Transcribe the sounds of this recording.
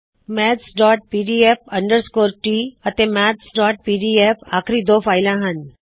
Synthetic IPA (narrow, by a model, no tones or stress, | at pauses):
mɛːt̪sɖɔːʈ̚piːɖiefəɳɖəɾskoːɾʈiːət̪emɛːt̪sɖɔːʈ̚piːɖiefaːkʰɾid̪oːfʰaːɪlãɦən